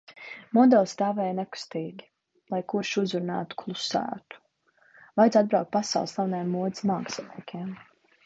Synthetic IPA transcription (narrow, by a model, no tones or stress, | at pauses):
mɔd̪ɛlˠst̪aːvɛːjnɛku̥st̪iːɡʲi̥ | lˠajkuɾʃuzuɾna̰ːt̪u̥kʰlˠusæ̰ːt̪u̥ | vajd̪ad̪̚bɾawk̚t̪̚pasa̰wlˠslʲˠawnajɛmːuɔd̪zmaːksɔnʲiɛkʲʰɛɛm